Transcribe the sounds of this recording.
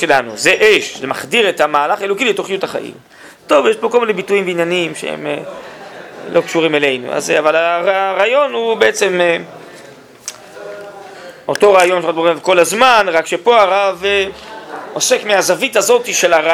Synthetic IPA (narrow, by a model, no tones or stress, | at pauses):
elanṵze̞ʔeʃlemaχdiʁetamaːlaχaelokiletoχijutaχa̰ʔḭm | to̞vjeʃpo̞ko̞lminebituimbeinjanimʃḛḛme | lʔo̞kʃuʁimele̞jnṵa̰zeavalaaʁaːjo̞nhubeet͡se̞me | o̞to̞ʁaːjo̞nʃʁat̪oemvko̞lazmanʁakʃe̞po̞aʁav | o̞se̞kmeazavitazo̞tiʃe̞laʁa